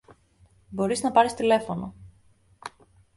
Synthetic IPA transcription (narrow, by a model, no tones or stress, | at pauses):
bo̞ɾiznɐpɐɾist̪ile̞fo̞no̰